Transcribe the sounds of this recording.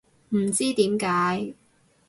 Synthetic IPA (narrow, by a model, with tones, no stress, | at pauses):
m̩˨˩t͡siː˥t̪iː˨˥mkaː˨˥j